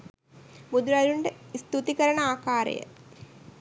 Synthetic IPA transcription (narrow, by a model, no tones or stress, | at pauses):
mud̪ɾaɾuɳɖeist̪ut̪ikɐɾɐɳɐaːkaːɾɐ̰jə̰